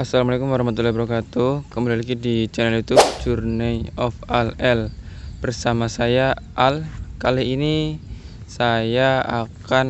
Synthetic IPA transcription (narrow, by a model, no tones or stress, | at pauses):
asalamalakumwaɾahmat̪̬ulːahibəɾakat̪ukəmudalikidit͡ʃɛnɛljut̪ʊb̚d͡ʒurnaiɔfalɛl | b̥ərsamasajaʔalkaliːni | sajaa̰kan